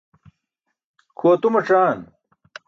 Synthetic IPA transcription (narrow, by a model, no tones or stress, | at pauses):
kʰoːt̪umɐʈ͡ʂaːn